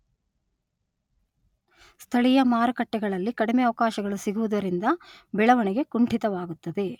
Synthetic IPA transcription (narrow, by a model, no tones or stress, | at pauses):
st̪ʰɐɭijɐmaːɾɐkɐʈːɛɡɐɭɐlːikɐɽimeɐʋɐkaːʃɐɡɐɭusiɡuʋud̪ɐɾind̪ɐbɛɭɐʋɐɳiɡe̞kuɳʈit̪ɐʋaːɡut̪ːɐd̪e̞